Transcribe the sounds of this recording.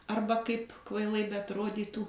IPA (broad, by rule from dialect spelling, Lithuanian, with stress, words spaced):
ˈɐrbɐ ˈkɐɪp kʋɐɪˈlˠɐɪ bʲɛɐtˈroːdʲiːtuː